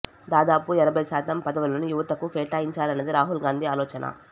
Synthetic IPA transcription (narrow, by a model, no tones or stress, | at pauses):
d̪aːd̪aːpuɛɾɐbɐjsaːt̪ɐmpɐd̪ɐʋulɐnujuʋɐt̪ɐkukɛːʈaːjiɲt͡ʃaːlɐnːɐd̪iɾaːɦulɡaːnd̪iaːlɔːt͡ʃɐnʔɐ̰